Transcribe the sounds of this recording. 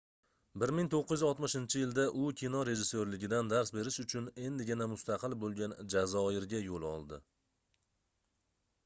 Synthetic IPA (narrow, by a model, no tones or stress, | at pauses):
bɪɾmɪŋt̪ʰoqːɨj̪ɪzɒt̪mɪʃɪnt͡ʃʰɪjɪld̪aʔʊkʲʰinɒɾe̞ʒɪsːoɾlɪɡʲɪd̪and̪aɾsbe̞ɾɪʃʊt͡ʃʰʊne̞nd̪ɪɡʲɪnamʊst̪ɑqʰɨlˠbolˠɡʲand͡ʒazɒɪɾɡʲajolˠɒ̰lˠd̪ɪ